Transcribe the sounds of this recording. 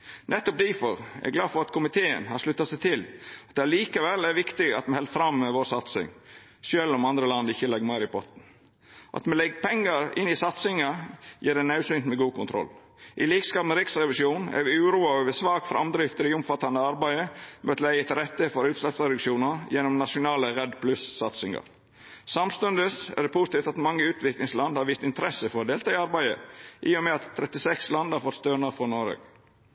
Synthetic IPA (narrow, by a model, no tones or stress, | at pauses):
nɛt̪ːɔp̚d̪ifɔɾɛ̰ɡlɑːd̪fɔɾɑt̪kʰʊmɪt̪ʰeːə̰nhɑɾʂlʉt̪ːɑsæɪt̪ʰɪlɑt̪̚d̪ɛhæliːkɑʋɛlːæɾʋɪkt̪ɪɡɑ̰t̪mɛhɛlt̪fɾɑmːɛʋoːɾsɑt̪sɪ̰ŋ | ʃøːlɔmɑnd̪ɾəlɑnd̪ɪçːəlɛɡmæːɾɪpʰɔt̪n̩ | ʔɑ̰t̪mɛlɛɡːpʰɛŋːɑɾɪ̰nːɪsɑt̪sɪŋɑjḭːɖɛnɑʉsʏnt̪mɛɡuːkʰʊnt̪ʰɾɔ̰l | ʔɪliːkskɑːbmɛɾɪksɾɛʋɪʃjuːnæ̰ɾʋɪʉːɾuːɑøːʋəsʋɑːkfɾʔɑ̰md̪ɾɪft̪əɾɪʊmfɑt̪ːɑnəɑɾbæɪəmʔɛt̪læɪət̪ɪɾɛt̪ːəfɔɾʉːt̪slɛpsɾɛd̪ʉkʃuːnəjɛnɔmnɑʂʊnɑːləɾɛd̪pʰlʉssɑt̪sɪŋɑ̰ɾ | sɑmst̪ʉnd̪əsæ̰d̪ɛpʰʊsɪ̥t̪iːft̪ɑt̪mɑŋːəʉːt̪ʰʋɪklɪŋslɑnd̪hɑɾʋiːst̪ɪnt̪əɾɛsəfɔɾɔd̪eːlt̪ʰɑːɪɑɾbæɪə̰ʔɪːɔmɛɑt̪ʰːɾɛt̪ːɪsɛkslɑnd̪hɑɾfɔt̪st̪ønɑfɔnɔɾø̰ːɡ